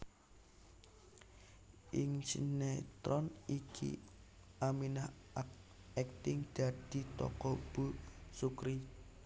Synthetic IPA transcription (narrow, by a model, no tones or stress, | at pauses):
ʔɪŋt͡ʃinet̪ɾɔnikʰḭ | ʔaminah | a | ɛk̚t̪ɪŋd̪̥a̤d̪̥i̤t̪ɔ̰kɔb̥usukɾi